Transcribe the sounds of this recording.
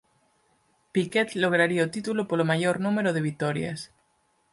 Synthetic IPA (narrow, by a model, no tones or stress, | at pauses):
piket̪loɣ̞ɾaɾiaot̪it̪ulopolomaʝoɾnũme̞ɾoð̞e̞β̞it̪oɾja̰s